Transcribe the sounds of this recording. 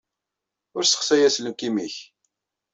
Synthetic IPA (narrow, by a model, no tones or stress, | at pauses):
ʊɾsə̥χsæjæsləmkːimiç